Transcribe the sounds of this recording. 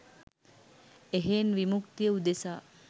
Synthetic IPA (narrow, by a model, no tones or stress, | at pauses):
eɦeːnʋimukt̪ijəud̪esaː